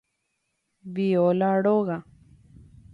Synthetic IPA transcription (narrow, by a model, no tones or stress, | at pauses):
biolaɽoɣa